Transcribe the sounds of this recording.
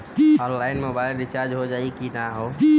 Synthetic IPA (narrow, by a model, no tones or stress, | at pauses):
ɔ̃nlaɪnmobaɪlɖit͡ʃaɾd͡ʒɦod͡ʒaːikinaɦo